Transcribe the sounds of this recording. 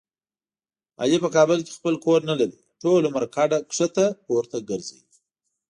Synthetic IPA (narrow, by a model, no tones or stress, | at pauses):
ɑ̰jepəkɑbəlke̥xpəlkoɾnalaɾi | ʈolomaɾkɑɖaksət̪axowəɾt̪aɡəɾzḛdi